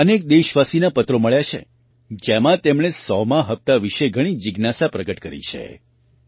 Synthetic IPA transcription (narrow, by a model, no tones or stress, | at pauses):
ənek̚d̪eʃʋasinapət̪ɾoməɭjat͡ʃʰḛ | d͡ʒemãt̪emɳ̃esɔmãɦəpt̪aʋiʃeɡʱəɽ̃id͡ʒɪɡnasapɾəɡəʈkəɾḭt͡ʃʰḛ